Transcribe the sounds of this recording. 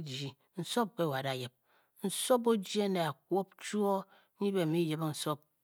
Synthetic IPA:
d͡ʒi˨ | n̩˨so˦p̚ke˦˨wa˨da˨je˨p̚ | n̩˨so˦bo˦d͡ʒi˦e˦ne˨a˨k̚wo˦p̚t͡ʃu˦o˦ | ɲi˦be˨mi˦je˨bn̩˨so˦p̚

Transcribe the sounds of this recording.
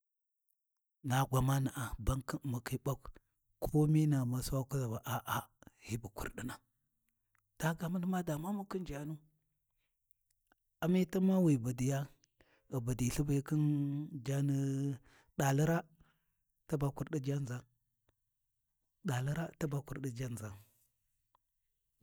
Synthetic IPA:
na˨ɡʷa˨ma˦na˨ʔa˨ba˦ŋkə˦˨mu˨ki˦ba˦k | kʰo˦mi˦na˨ma˨swa˦ku˦za˨ba˨ʔa˨ʔa˨hi˦bu˨kṵ˨ɾɗi˦na˨ | d̥a˦ɡa˨mə˦lma˦da˨ma˦mu˦ki˦nd͡ʒa˨nu˦ | a˨mi˦ta˦ma˦wi˨ba˨di˨ja˦ | ə˨ba˨di˨ɬi˦ba˨˦ki˦nd͡ʒa˦n˦ | ɗa˨lə˦ɾa˦ | ta˦ba˨ku˦ɾɗi˦d͡ʒa˦nza˦n | ɗa˨li˦ɾa˦ta˦ba˨ku˨ɾɗi˦d͡ʒa˦n˨za˨n

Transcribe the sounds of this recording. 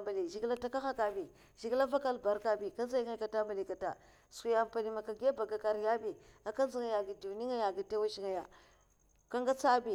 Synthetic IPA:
mba˨li˨ʒi˨ɡla˦ta˦ka˦xa˦ka˨bi˨ | ʒi˨ɡla˦va˦ka˦lba˨ɾka˦bi˨ka˦nza˦ŋa˦a˨ta˦mba˨li˨ka˨ta̰˨ | sku˨ja˨m˨pa˨ni˨ma˨ka˨ɡa˦ba˨ɡa˨ka˦ɾja˦bi˨a˨ka˦n˦zi˦ŋa˨ja˨ɡi˨du˨ni˦ŋa˦ja˨ɡi˨te˦wa˦ʃi˦ŋa˨ja˨ | ka˦ŋɡa˦t͡sa˦bi˨

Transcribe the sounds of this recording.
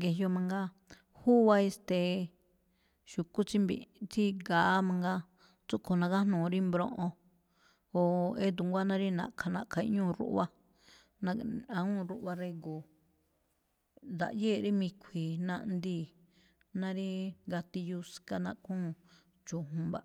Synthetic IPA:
ɡe˧jo˧mã˧ŋɡa˦ | huː˦βa˧e˧st̪e˧ | ʃu˨ku˦t͡ʃi˦mbḭ˨t͡si˦ɡa˨ʔmã˧ŋɡa˦ | t͡su˦kʰo˨nã˧ka˦nũː˨˧ɾi˦mbɾõ̰˧ʔõ˧ | o˨e˦d̪̬u˨ŋɡʷa˦nã˦ɾi˦nã̰˨kʰa˧nã˨ʔkʰa˨˧ḭ˦˧˦ɲũː˦˨˧ɾṵ˦ʔβa˦ | nã˧ã˧ũ˦˨ɾu˧ʔβa˧ɾe˧ɡu˨ | d̪a̰˨ʔjeː˦˨ɾi˦mĩ˧kʷʰi˨nã̰˧ʔnd̪iː˦˨ | nã˦ɾi˦ɡa˧t̪i˧ju˧ska˧nã˧kũː˦˨ | t͡ʃu˨ɦũ˧ba˧

